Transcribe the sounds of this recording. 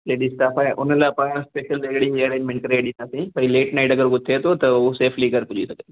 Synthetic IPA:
leːɖisʈaːfaeʔʊnəlaːpãːɾãspeːʃəlɪkɪɽiɐɾẽːnmɛ̃ɳʈkɐɾeɖɗĩnd̪aːsĩpɐ̃ĩleːʈnaːɪʈɐɡəɾɡʊt̪ʰet̪ʰot̪ɐoseːfʰliɡɐɾkʊd͡ʒisɐɡə

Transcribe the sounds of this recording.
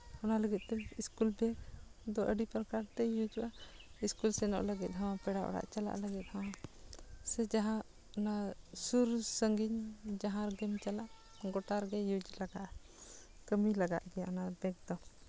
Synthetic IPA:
ɔnaləɡit̪̚t̪ɛiskulbɛɡd̪ɔʔəɖipɾkaɾt̪ɛjud͡ʒwaiskulsɛnɔ̰ʔləɡit̪̚ɦawapɛɽaʔɔ̰ɽa̰ʔt͡ʃala̰ʔləɡit̪̚haw̃a | sɛd͡ʒaɦã | nasuɾsəŋɡiɲd͡ʒaɦãɾɡɛmt͡ʃalaʔ | ɡɔʈaɾɡɛjud͡ʒlaɡaʔ | kəmilaɡa̰ʔɡɛjaɔnabɛɡ̚d̪ɔ

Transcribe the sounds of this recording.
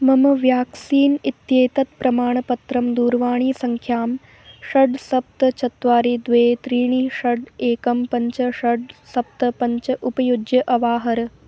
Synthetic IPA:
mɐmɐʋjaːksiːnit̪jeːt̪ɐt̪̚pɾɐmaːɳ̃ɐpɐt̪ɾɐmd̪uːɾʋaːɳ̃iːsɐŋkʰjaːm | ʃɐɖsɐp̚t̪ɐt͡ʃɐt̪ʋaːɾid̪ʋeːt̪ɾiːɳ̃iʃɐɖeːkɐmpɐɲt͡ʃɐʂɐɖsɐp̚t̪ɐpɐɲt͡ʃɐʔupɐjud͡ʒjɐʔɐʋaːɦɐɾɐ

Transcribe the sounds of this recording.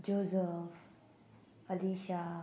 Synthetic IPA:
d͡ʒoːzəf | əliʃa

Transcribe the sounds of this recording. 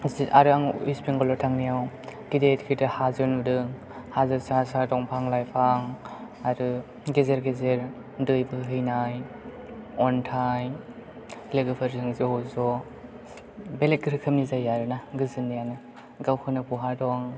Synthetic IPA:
aɾɯaŋispiŋɡɔlɔtʰaŋnijaw | ɡ̥idetkʰitɯhazɯnudɯŋ | hazɯsasadɔŋpʰaŋlajpʰaŋ | aɾɯ | ɡezeɾɡezeɾ | dɯjbɯɦɯjnaj | ɔntʰaj | leɡɯpʰɯɾzɯŋzeɔzɔ | belet̚ɡɯɾɯkʰɯmnizajaɾɯnaɡɯzɯnːijanɯ | ɡawhʰɯnɯpuɦadɔŋ

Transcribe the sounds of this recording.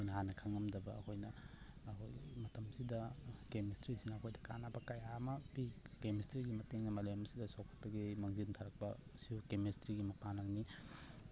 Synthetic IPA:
kojnɐhanɐkʰaŋɐmdɐbɐɐ̰kʰojnɐː | kʰo̰jmɐtʰɐmsidɐkemestɾisinɐːkʰojdɐka̰nabɐkajamɐbikemestɾiɡimɐteŋnɐmɐlemɐsidɐsokʰɐ̥tːɐɡimɐŋzintʰaɾɐk̚pɐ | siukemestɾiɡimɐpanɐlni

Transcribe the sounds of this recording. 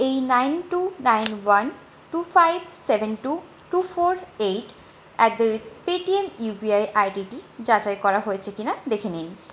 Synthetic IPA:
ejnajnʈunajnwan | ʈufajbʱsebʱenʈu | ʈufoɾejʈ | ɛk̚d̪eɾepiʈiemubiajʔajɖiʈid͡ʑad͡ʑaekɔɾaɦojet͡ɕʰekinad̪ekʰenin

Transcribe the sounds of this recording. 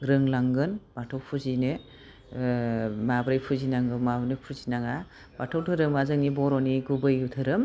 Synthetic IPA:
ɾɯŋlaŋɡɯnb̥atʰawpʰuzinɯ | mabɾajpʰuzinaŋɯmabɯnɯpʰuzinaŋa | b̥atʰawtʰɯɾɯmazɯŋnibɔɾɔniɡubɯjutʰɯɾɯm

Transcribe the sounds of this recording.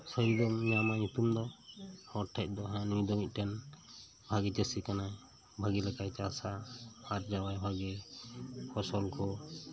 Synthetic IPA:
səɾid̪ɔmɲamaɲut̪umd̪ɔhɔʈʰːɛc̚ˀd̪ɔɦãnujd̪ɔmic̪̚ˀʈɛn | bʱaɡɛt͡ʃɛsikanaj | bʱaɡɛlɛkajt͡ʃasaaɾd͡ʒawajbʱaɡɛ | pʰɔsɔlkʰɔ

